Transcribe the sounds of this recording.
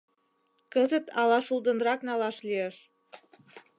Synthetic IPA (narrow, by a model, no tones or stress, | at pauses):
kəzət̪ɑlɑʃuld̪ə̆nɾɑknɑlɑʃlijeʃ